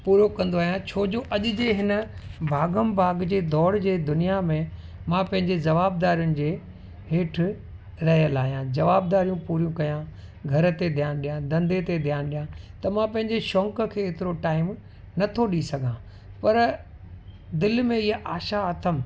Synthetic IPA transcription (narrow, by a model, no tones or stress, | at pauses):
puːɾokɐ̃nd̪oaːɦijãt͡ɕʰoːd͡ʑoːʔɐʄʊd͡ʑeɦɪnə̆bʱaːɡəmbʱaːɡd͡ʑeːd̪ɔːɽd͡ʑeːd̪ʊnijamẽ | mãpɐ̃ɦɪ̃ɲd͡ʑezɐʋaːbd̪aːɾijʊnɪ̆d͡ʑeː | ɦeːʈ̆ʰ | ɾɐɦjəlaːɦijãd͡ʑɐʋaːbd̪aːɾijũpuːɾjũkɐjã | ɡʱɐɾt̪ed̪ʱijaːnɗijãd̪ɐ̃nd̪et̪ed̪ʱijaːnɗijãt̪ɐmãpɐ̃ɦɪ̃ɲd͡ʑeʃɔ̃ːŋkə̆kʰeːeːt̪ɪɾoʈaːɪm | nɐt̪ʰoɗisɐɡʱã | pɐɾ | d̪ɪlmẽɪɦaʔaːʃaɐt̪ʰəm